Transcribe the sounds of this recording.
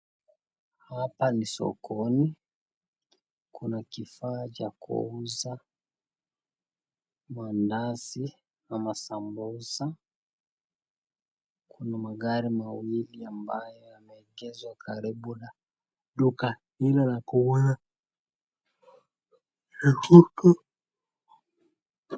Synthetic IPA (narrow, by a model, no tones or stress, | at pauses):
hapanisɔ̰kʰɔni | kʰunakifaːt͡ʃakʰṵuza | mandasi | namasambɔza | kunamaɡaɾimawiliambajɔamɛːɡɛzwakʰaɾibuna | ɗukahilalakuɔna | hɛhutu